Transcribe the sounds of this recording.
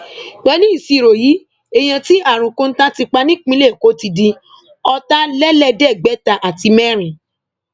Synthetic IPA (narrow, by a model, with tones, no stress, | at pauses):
ɡ͡bɛ˨˦nĩ˦i˨si˨˧˨ɾo˨ji˨˦ | e˨j̃ã˧ti˦ʔa˦˨ɾ̃ũ˨ko˦n̩˦tã˦ti˧k͡pa˧nĩ˦k͡pĩ˦le˦˨ko˨˦ti˧dĩ˧ | ɔ˧ta˦lɛ˦lɛ˦dɛ˦˨ɡ͡bɛ˨˦ta˧ʔa˨ti˧mɛ˦ɾ̃ĩ˨